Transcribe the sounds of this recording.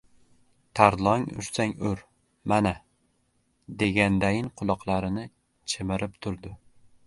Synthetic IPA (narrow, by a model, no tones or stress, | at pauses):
t̪ʰaɾlˠɒŋʊ̰ʃsaŋɵɾ | mana | d̪e̞ɡʲand̪ajɪnqʰʊlˠɒqlˠaɾɪnɪ | t͡ʃʰɪmɪɾʔɪpt̪ʰʊɾd̪ɪ